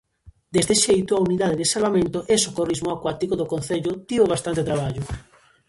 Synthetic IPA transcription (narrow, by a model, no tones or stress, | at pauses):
d̪ezðeʃejt̪ʊauniðaðeðesalβamẽnt̪oʔesokorizmoakwat̪ikoðokõnθeʎʊt̪ioβ̞ast̪ant̪et̪ɾaβ̞aʎʊ